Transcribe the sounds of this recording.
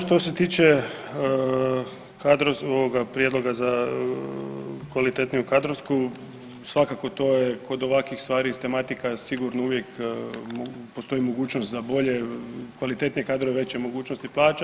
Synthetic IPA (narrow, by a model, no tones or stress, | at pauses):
ʃt̪o̞set̪iːt͡ʃe | kad̪ɾosoʋoɡapɾije̞d̪lˠo̞ɡaza | kʋalit̪e̞t̪nijukad̪ɾosku | sʋakako̞t̪o̞ːjekʰo̞d̪o̞ʋakʋixst̪ʋaːɾit̪e̞mat̪ikasiɡuɾnouʋje̞kmopo̞st̪o̞imo̞ɡuːt͡ɕnost̪zabo̞ʎekʋalit̪e̞t̪nijekaːd̪ɾoeʋe̞t͡ɕemo̞ɡuːt͡ɕnost̪iplˠaːt͡ʃa